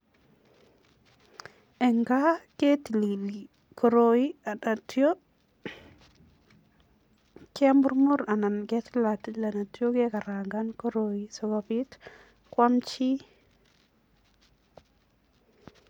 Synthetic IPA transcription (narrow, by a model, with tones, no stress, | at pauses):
ɛ˨ŋɡa˦kɛ˦ti˨li˨li˨ | kɔ˨ɾo˨i˦a˨da˨tjo˦ | kɪ˦a˦mbʊ˦ɾmu˦ɾa˨na˨nkɛ˦tla˨ti˦la˨na˨tjo˦kɛ˦ka˨ɾaŋɡankɔ˦ɾoji˨sɔ˨babi˦t | kwa˦mt͡ʃi˦